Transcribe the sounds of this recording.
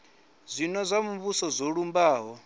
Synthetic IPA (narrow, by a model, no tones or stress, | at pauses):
zʷinɔzʷamumbusɔzoɺumbaːɦɔ